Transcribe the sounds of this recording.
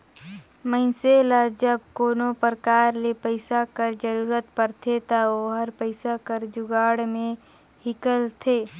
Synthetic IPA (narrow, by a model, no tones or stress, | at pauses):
məɪ̃selad͡ʒəb̚koːnopəɾəkaːɾlepəɪsakəɾd͡ʒəɾuːɾət̪pəɾt̪ʰet̪aoɦəɾpəɪsakəɾd͡ʒʊɡaːɽmẽ | hɪkəlt̪ʰeː